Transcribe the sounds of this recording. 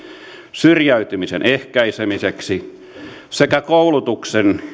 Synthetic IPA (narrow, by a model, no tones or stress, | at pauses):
syrjæyt̪ymisḛnʔehkæisemiseksi | sekækoulut̪uksen